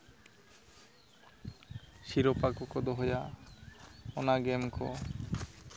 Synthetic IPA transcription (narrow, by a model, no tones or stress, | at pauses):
ʃiɾopakɔkɔd̪ɔɦoja | ɔnaɡemkɔ̰